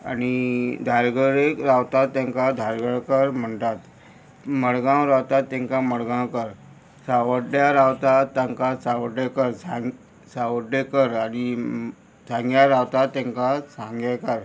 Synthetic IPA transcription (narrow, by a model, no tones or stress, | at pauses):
a̰ñid̪ʱaɾɡəɽekɾawt̪at̪ːãŋkad̪ʱaɾɡəɭkəɾm̤əɳt̪at̪ | məɽɡãwɾawt̪at̪ːẽŋkaməɽɡãwkəɾ | saʋəɖjaɾawt̪at̪ːaŋkasaʋəɖɭekəɾsã | saʋəɖekəɾañi | sãŋɡjaɾawt̪at̪ːẽŋkasãŋɡekəɾ